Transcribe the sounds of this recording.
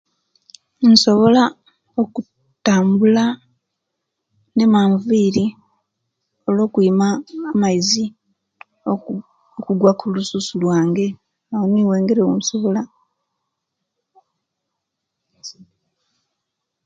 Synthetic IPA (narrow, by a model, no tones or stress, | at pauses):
n̩so̞βo̞la | oku | taːmbula | ne̞maːɱviːɾi | o̞lo̞ːkuimaːmaizi | okuɡwakulususulwaːŋɡe̞ | awoniweːŋɡeɾewunso̞βo̞la